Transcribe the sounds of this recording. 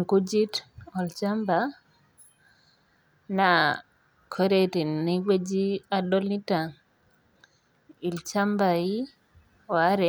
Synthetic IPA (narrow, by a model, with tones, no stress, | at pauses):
ŋku˦d͡ʒi˦tɔ˨lt͡ʃa˦mba˨ | na˨ | kʰo˦ɾe˦ti˨nːi˦we˦d͡ʒi˦a˦dɔ˦li˦ta˨ | i˨lt͡ʃa˦mba˨i˦ | ɔ˨a˦ɾɛ˨